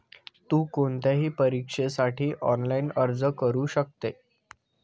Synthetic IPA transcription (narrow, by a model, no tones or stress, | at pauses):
t̪uːkoɳt̪jaɦiːpəɾikʂesaʈʰiːʔɔnlainəɾd͡zəkəɾuːɕək̚t̪e